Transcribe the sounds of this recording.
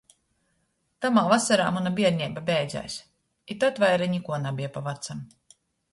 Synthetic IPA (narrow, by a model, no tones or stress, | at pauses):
t̪amaːvasaɾa̰ːmunabʲiɛɾɲɛjbabʲɛjd̪za̰jsʲ | it̪ɔt̪vajɾaɲikuɔnabʲiɛpavat̪sam